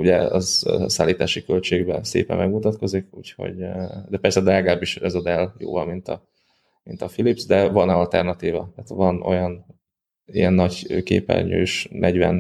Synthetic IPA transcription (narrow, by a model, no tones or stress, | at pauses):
uɟɛɒzsaːlːiːt̪aːʃikølt͡ʃeːɡbɛnsḛːpɛ̰mmɛɡmut̪ɒt̪ko̞zikuːcho̞̰ɟd̪ɛpɛrsɛd̪ɛlɛɡɒlaːbiʃɛzɒd̪ɛljo̰ːvɒmmint̪ɒ̰ | mint̪ɒfilipsd̪ɛvɒnɒlt̪ɛ̰rnɒt̪iːvɒt̪aːt̪vɒnʔo̞̰jɒn | ijɛnːɒɟkeːpɛ̰lɲø̰ːʃnʔɛɟvɛn